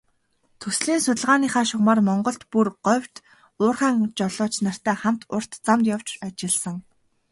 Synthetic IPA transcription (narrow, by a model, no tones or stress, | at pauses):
t̪ʰɵsɮiːnsʊt̪ə̆ɮʁaːniːχaːʃʊʁmaːrmɔɴɢɞ̆ɬt̪purɢœwʲt̪ | ʊːrχaːŋt͡ɕɔɮɔːt͡ɕnar̥t̪æːχam̥t̪ʊr̥t̪t͡samt̪jaw̥t͡ɕat͡ɕɪ̆ɮsə̆ŋ